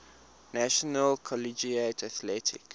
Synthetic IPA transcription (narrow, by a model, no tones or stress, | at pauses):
naʃɔnəlkʰɔlid͡ʒietʰaθlɛtʰɪ̰k